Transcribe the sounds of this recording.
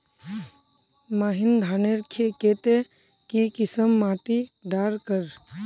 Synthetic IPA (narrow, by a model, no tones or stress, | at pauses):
maːɦind̪ʱaːneɾkʰekeːt̪e | kikɪsəmːaːʈiɖaːɾkəɾ